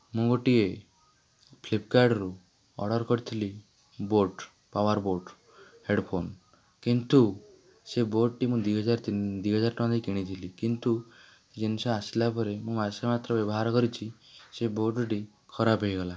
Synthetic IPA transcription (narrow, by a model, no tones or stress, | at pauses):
mũɡoʈie | pʰlipkaɾɖɾu | ɔ̰ɽɔɾkɔɾit̪ʰili | boɾʈ | paʋaɾboɾɖ | heɖpʰon | kint̪u | seboɖʈimũd̪wiɦɔd͡ʒaɾt̪id̪wiɦɔd͡ʒaɾʈɔ̃d̪ikiɽ̃it̪ʰilikint̪u | d͡ʒensaaslapɔɾemũmasemat̪ɾɔbjɔbɔɦaɾkɔɾit͡ʃʰi | seboɾʈʈi | kʰɔɾapɦejɡɔla